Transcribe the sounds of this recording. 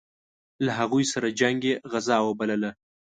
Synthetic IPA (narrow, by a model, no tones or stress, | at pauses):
laɦaɣujsaɾad͡ʒaŋɡeɣazɑwəbaləla